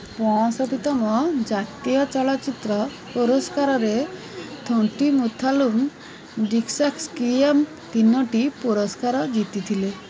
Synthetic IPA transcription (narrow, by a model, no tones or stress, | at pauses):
pɔ̃ɔ̃sɔt̪it̪ɔmɔd͡ʒat̪ijɔt͡ʃɔɭat͡ʃit̪ɾɔ | puɾɔskaɾɔɾe | t̪ʰoʈimut̪ʰalum | ɖiksakskiem | t̪inːɔʈipuɾɔskaɾɔɡit̪it̪ʰile